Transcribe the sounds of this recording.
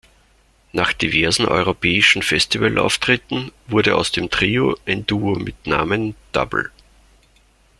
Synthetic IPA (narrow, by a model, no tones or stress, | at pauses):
naːχd̥ivɛɐzn̩ʔɔ̰ʏʁopʰɛːɪʃn̩fɛstivalʔa̰ʊftʁ̥ɪtn̩vʊɐdəʔaʊsd̥eːmtʁ̥iːoʔɛnduːomɪtna̰ːmənd̥a̰bl̩